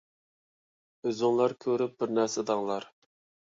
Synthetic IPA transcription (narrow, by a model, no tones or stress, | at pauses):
øzɪŋlˠɑɾkʲʰøɾyp̚bɪɾnæɾsɪd̪ɑŋlˠɑɾ